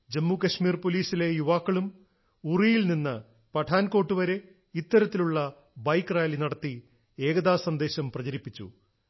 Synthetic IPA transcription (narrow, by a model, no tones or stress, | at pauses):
d͡ʑemːuːkɐɕmiːrpo̞liːsile̞juʋaːkːɐɭum | urijilninːɨ | pɐʈʰaːnko̞ːʈːuʋɐɾe̞ | it̪ːɐɾɐt̪ːiluɭːɐ | bɐjkːraːlinɐɽɐt̪ːi | e̞ːɡɐðaːsɐnd̪e̞ːɕɐmprɐt͡ɕɐɾipːit͡ɕːṵ